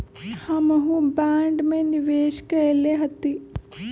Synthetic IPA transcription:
hamɐɦubaːɳɖmeniʋeːʃkɐɐleɦɐt̪ːi

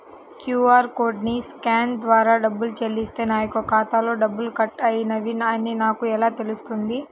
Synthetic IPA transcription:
kjuːaːɾkoːɖniskaːnd̪ʋaːɾaːɖɐbːult͡ʃelːist̪e̞ːnaːjɐkuɐkaːt̪aːlo̞ːɖɐbːulukɐʈːɐjinɐʋinɐnːinaːkuɛlaːt̪e̞lust̪und̪i

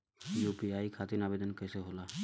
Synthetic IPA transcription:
jupiajkʰat̪inabed̪ənkəjseɦola

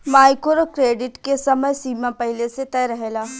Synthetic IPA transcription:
maːɪkoɾokɾeːɖɪʈkesɐməjsiːmãpɐɦɪleset̪ɛːɾɐɦeːlaː

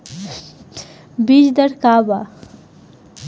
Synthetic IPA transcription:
bid͡ʒd̪əɽkaːba

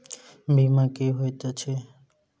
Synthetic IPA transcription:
bimãkeɦojt̪ot͡ʃʰe

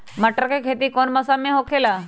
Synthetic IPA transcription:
məʈəɾkekʰet̪iːkoɳməsameɦokʰela

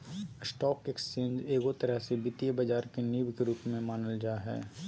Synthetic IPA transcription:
ɪsʈɔːkekst͡ʃẽːnd͡ʒeːɡot̪ɐɾəɦsebɪt̪ijebɐd͡ʒaːɾkeniːbkeɾuːpmẽmaːnəld͡ʒaːɦɛ̰ː

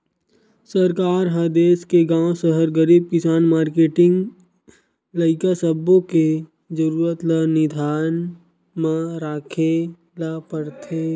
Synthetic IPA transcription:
səɾkaːɾɦəd̪eːskeɡãːw̃səɦəɾɡəɾiːb̚kɪsaːnmaːɾkeːʈɪ̃ŋɡ | ləɪkasəbõke | d͡ʒəɾuːɾət̪lənɪd̪ʱaːn | mãɾaːkʰe | lapəɽt̪ʰe

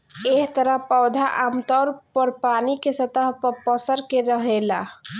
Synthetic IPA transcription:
eɦt̪əɾəɦpəwd̪ʱaʔamt̪əɾpəɾpanikesət̪əɦpəpəsəɾkeɾəɦela̰

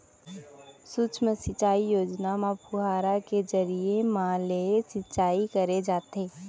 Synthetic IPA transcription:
sʊt͡ʃʰmesɪt͡ʃaːijoːd͡ʒnamãpʰʊɦaːɾakezɐɾiemãlesɪt͡ʃaːikɐɾed͡ʒaːt̪eː

